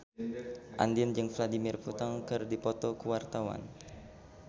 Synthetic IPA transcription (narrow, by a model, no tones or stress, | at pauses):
ʔa̰ndiənd͡ʒɨŋfladimɪrput̪ɔŋkɨrdipɔt̪ɔkuwart̪awa̰n